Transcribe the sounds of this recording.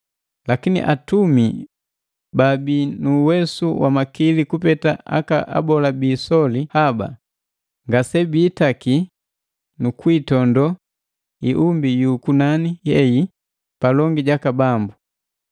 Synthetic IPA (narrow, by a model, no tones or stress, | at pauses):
lakinḭʔatumi | babinuːwɛsuwʔamakilikupɛtaʔa̰ka̰ʔa̰bɔlabiːsɔlihaba̰ | ŋɡasɛbiːtaki | nukwitɔndɔ | iʔumbijuːkunanijɛji | palɔŋɡiɟakabambu